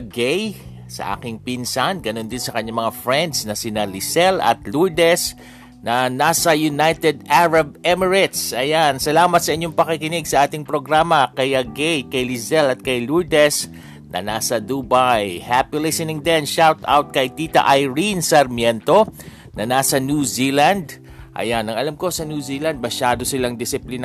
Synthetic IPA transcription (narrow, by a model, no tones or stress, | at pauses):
ɡɛj | sɐ̰ʔa̰ːkɪŋpinsanɡɐno̞nd̪ɪnsɐkɐɲːamɐŋafɹɛnd̪snɐsɪnalɪsɛlɐ̰t̪luɹd̪ɛs | nɐnaːsɐjʊnajt̪ɛd̪̚aɹɐb̚ɛmɛɹɪt̪sʔɐjansɐlaːmɐt̪̚sɐʔɪɲːoŋpɐkikɪnɪɡsɐʔaːt̪ɪŋpɾo̞ɡɾamɐkɐjɐɡɛjkɐjlɪzɛlɐt̪̚kɐjluɹd̪ɛs | nɐ̰naːsɐd̪ubajhapɪlɪsɪnɪŋd̪ɛnʃawt̪a̰wt̪̚kɐjt̪iːt̪ɐ̰ʔɐjɹinsɐɾmjɛnt̪o̞ | nʔɐnaːsɐnjuzilɐnd̪ | ʔɐ̰janɐŋɐlamko̞sɐnjusiːlɐnd̪̚mɐʃaːd̪o̞sɪlaŋd̪ɪsɪplɪn